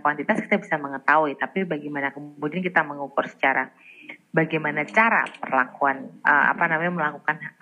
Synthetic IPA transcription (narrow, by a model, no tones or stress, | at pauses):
kwant̪it̪aski̥t̪abisarməŋət̪auit̪apibaɡamanakəmmudiankit̪aməŋukʊrsə̥t͡ʃaɾa̰baɡajmanat͡ʃaɾa̰pərlakuanəa̰panamaɲməlakukana